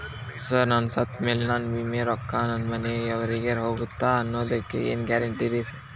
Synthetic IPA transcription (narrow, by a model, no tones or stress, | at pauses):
sɐɾnaːnsɐt̪meːlenaːnbimeɾɔkːaːnɐnmɐneɛʋɐɾiɡeɾɦoːɡut̪ːaːɐnːoːd̪ɐkːḛḛːnɡɛːɾɐɳʈiɾesi